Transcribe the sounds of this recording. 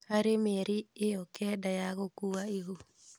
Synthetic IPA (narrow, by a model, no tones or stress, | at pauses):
aɾemeɾiejɔkɛdajaɣokuaiɣu